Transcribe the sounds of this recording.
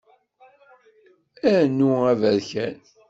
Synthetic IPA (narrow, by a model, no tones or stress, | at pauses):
æɾnːuævæɾçæn